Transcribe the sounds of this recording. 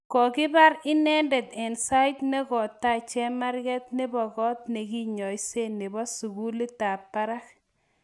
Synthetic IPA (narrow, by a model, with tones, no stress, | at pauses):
kɔ˨kɪ˦ba˦ɾɪ˦nɛ˦ndɛ˨t̪ɛ˨nsa˦ɪ˦tnɛ˦kɔ˨tːa˦˨t͡ʃɛ˦ma˦ɾɡɛ˦t̪ne˦bɔ˨ɡɔ˦t̪̚ne˨ki˦ɲɔ˨i˦se˦nɪ˨bɔ˦su˨ɡu˦li˦ta˨pːa˦ɾa˦k̚